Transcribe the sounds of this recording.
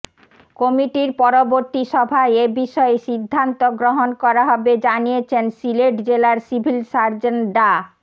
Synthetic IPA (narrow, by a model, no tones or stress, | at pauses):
kɔmiʈiɾpɔɾoboɾt̪iʃɔbʱaeebiʃɔeʃid̪ʱːant̪oɡɾoɦonkɔɾaɦɔbed͡ʑanijet͡ɕʰensileʈd͡ʑelaɾsibʱilsaɾd͡ʑenɖa